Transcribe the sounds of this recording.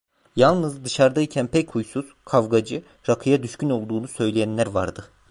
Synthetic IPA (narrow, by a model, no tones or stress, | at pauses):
jalˠnɯzd̪ɯʃaɾd̪aicʰænpʰɛchujsuz̥kʰavɡad͡ʒɯ | ɾakʰɯjad̪yʃcyno̞lˠd̪uːnusø̞jlʲejænlʲæɾvaɾd̪ɯ